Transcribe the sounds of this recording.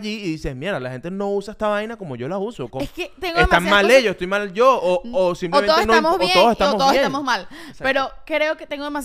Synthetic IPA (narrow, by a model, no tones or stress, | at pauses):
ʝiːðise̞smjeɾalaxe̞nt̪e̞no̞usaest̪aβajnako̞mo̞ʝo̞lausokoesket̪eŋɡeemamaleʝosest̪ojmald͡ʒo̞oːsimplmeoenoamoβoeoðoset̪amooosjet̪amozmalpe̞ɾo̞kɾe̞oket̪eŋɡoðemas